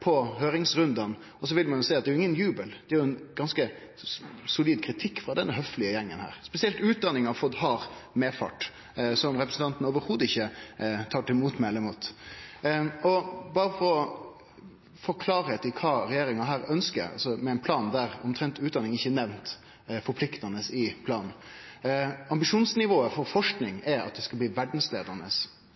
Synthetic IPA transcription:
pʰɔɦøːɾɪŋsɾʉnd̪ɑn | ɔs̬ɔʋɪlmɑnjʊsɛːɑt̪d̪ɛæjʊɪŋːənjʉːbəld̪̥ɛæjʊɛnɡ̥ɑnskə | sʊliːd̪̚kʰɾɪt̪ʰɪkːfɾɑd̪ɛnːəɦœflɪəjɛŋːənhæ̰ːɾspɛsɪɛlt̪ʉːt̪̚d̪ɑnːɪŋɑfɔt̪ɦɑɾmeːfɑ̰ʈ | sɔmɾɛpɾəsn̩t̪ɑnt̪nəoːʋəɾhuːd̪ɪçːət̪ʰɑːʈɪmuːt̪mɛɛləmuːt̪ | ɔbɑːɾəfɔɾɔ | fɔɾkʰlɑːɾhɛt̪ɪkʰɑːɾɛjeːɾɪŋɑɦæːɾœnskə̰ɾɑ̰lsɔmɛɛɪnpʰlɑːnd̪æɾɔmt̪ʰɾɛnt̪ʉːd̪ɑnɪŋɪçːənɛʋnt̪ | fɔɾpʰlɪkt̪ɑnəsɪpʰlɑːnn̩ | ɑmbɪʂuːnsnɪʋoːəfɔɾfɔʂknɪŋɛɾɑ̰t̪̚d̪ɛskɑb̪iːʋæɖn̩sleːd̪əɾnəs

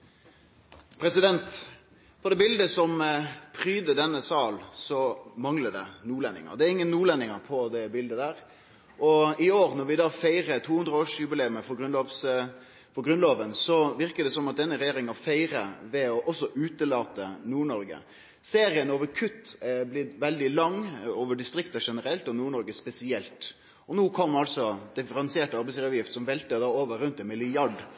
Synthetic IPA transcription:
pʰɾɛsɪd̪ɛnt̪ | pʰɔd̪ɛːbɪld̪əsɔmpʰɾyːd̪əd̪ɛnːəsɑːlsɔmɑŋləd̪ɛnuːlɛnːɪ̰ŋə̰d̪ɛæɾɪŋːənːuːlɛnːɪŋɑɾpʰɔd̪ɛbɪld̪əd̪æːɾ | ʔɔɪoːɾnɔɾʋɪd̪ɑːfæɪʁət̪ʰuːhʉnd̪ʁəoːʂjʉbɪleːməfɔɡʁʉnloʋs | fɔɾɡɾʁʉnloːʋənsɔʋɪɾkəd̪ɛsɔmːɑt̪̚d̪ɛnːəɾɛjeːɾɪŋɑfæɪɾəʋɛɔʔɔsːɔʔʉːt̪əlɑːt̪ənuːɳɔɾɡə̰ | seːɾɪənoːʋəɾkʰʉt̪ːblɪʋɛld̪ɪlɑŋːoːʋəɖɪst̪ɾɪkt̪ɑʂɛnəɾɛlt̪ɔnuːɳɔɾɡəspɛsɪɛlt̪ | ɔnuːkʰɔmːɑlsɔd̪ɪfəɾɑnsɪeːʈɑɾbɛɪslɑːʋjɪft̪sɔmʋɛlt̪əd̪ɑːoːʋəɾːʉnt̪ɛnmɪlɪjɑɖ

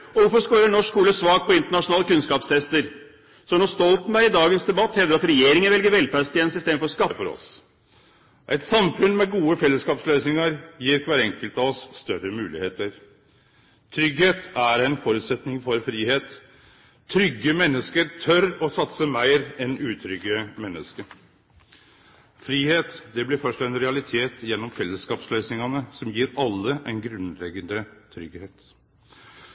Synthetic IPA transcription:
ɔʋʊɾfɔskoːɾəɳɔʂkʰuːləsʋɑːɡ̚pʰɔɪnt̪əɳɑʂʊnɑːləkʉnskɑːpst̪ʰɛst̪əɾ | sɔnɔst̪ɔlt̪n̩bæɾɪd̪ɑːɡənsd̪ɛbɑt̪ːhɛld̪əɾɑt̪ɾɛjeːɾɪŋənʋɛlɡəɾʋɛlpæst̪ɪɛːnəsɪst̪eːmfɔskɑfɔɾɔ̰s | ʔæɪt̪sɑmfʉnmɛɡuːəfɛlːəskɑːpsløːsnɪŋəɾjiːɾkʰʋæːɾɛŋkəlt̪ɑɔsːt̪œɾəmʉːlɪ̰hḛːt̪əɾ | t̪ʰɾʏɡheːt̪æɾɛɪnfɔɾʉːt̪sɛt̪nɪŋfɔɾfɾiːheːt̪ | t̪ʰːɾʏɡːəmɛnːəskəɾt̪ʰœɾɔsɑt̪səmæɪɾɛnʉːt̪ʰɾʏɡəmɛnːəskə | fɾiːheːt̪d̪ɛblɪɾfœʂʈɛnɾɛɑlɪt̪ʰeːt̪jɛnːɔmfɛlːəskɑːpsløʏsnɪŋɑnəsɔmjiːɾɑlːəʔæɪnɡɾʉnlɛɡənd̪ət̪ʰɾʏɡheːt̪

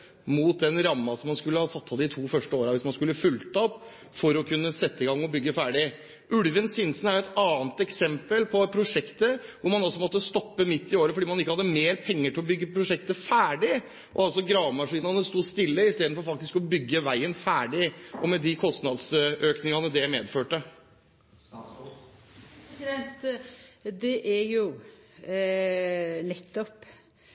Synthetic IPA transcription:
muːt̪̚d̪ɛnɾɑmːɑsɔmːɑnskʉlːəhɑt̪ʰɑt̪ːɑd̪ɪt̪ʰuːfœʂʈəoːɾɑʋɪsmɑnskʉlːəfʉlt̪əɔpː | fɔɾɔkʰʉnːəsɛt̪ːəɪɡɑŋːɔbʏɡːəfæːɖɪ | ʔʉlʋənsɪnsn̩æɾjʊɛt̪ɑːnt̪ɛksɛmpəlpʰɔpʰɾʊʂɛkt̪əʋʊɾmɑnɑlsɔmɔt̪ːəst̪ɔpːəmɪt̪ːɪoːɾəfɔɖiːmɑnɪkːəhɑd̪əmeːɾpʰɛŋːəʈʰɪlɔbʏɡːəpʰɾʊʂɛk̚t̪əfæːɖɪ | ʔɔ̰ɑlsɔɡɾɑːʋmɑʂiːnɑnəst̪uːst̪ɪlːəɪst̪eːd̪n̩fɔɾfɑk̚t̪ɪskɔbʏɡːəʋæɪənfæːɖɪʔɔmɛd̪ɪkʰɔst̪nɑd̪sʔøːknɪŋɑnəd̪ɛmeːd̪føːʈə | t̪ | d̪ɛʔæɾjʊ | nɛt̪ːɔp

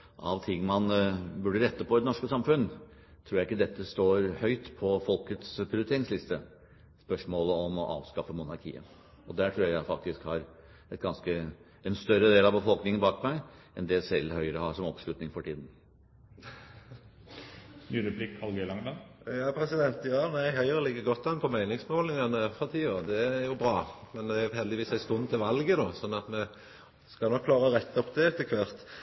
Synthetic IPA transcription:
ʔɑ̰ʋt̪ʰɪŋːmɑnbʉɖəɾɛt̪ːəpʰɔɪd̪ɛnɔʂkəsɑmfʉnːt̪ʰɾuːɾjæɪkːəd̪ɛt̪ːəst̪oːɾhœʏt̪pʰɔfɔlkət̪spʰɾɪʊɾt̪ʰeːɾɪŋslɪst̪ə | spœʂmoːləɔmɔʔɑ̰ːʋskɑfəmʊnɑɾkʰḭːə̰ | ɔd̪æʈʰɾuːæɾjæɪfɑk̚t̪ɪskhɑɾ | ɛt̪ɡɑnskə | ɛnst̪œɾːəd̪eːlɑʋbəfɔlknɪŋənbɑːkmæɪʔɛnd̪ɛsɛlːhœʏəɾəhɑʂɔmɔ̰pslʉːt̪nɪŋfɔʈiːd̪n̩ | nyːɾʉpʰlɪkːɑlɡœʏlɑŋd̪ɑnjɑːpʰɾɛsɪd̪ɛnt̪jɑːnæɪɦœʏɾəlɪɡːəɡɔt̪ːɑnpʰɔmæɪnɪŋsmolɪŋɑnəfɑt̪ʰiːod̪ɛɾjʊbɾɑːmɛnd̪ɛæhɛld̪ɪʋiːsæɪst̪ɔnːt̪ʰɪlʋɑlɡəd̪oːsɔnːɑt̪mɛ | skɑnɔkʰːlɑːʁəɾɛt̪ːɔpd̪ɛɛt̪ːəkʰʋɑɾt̪

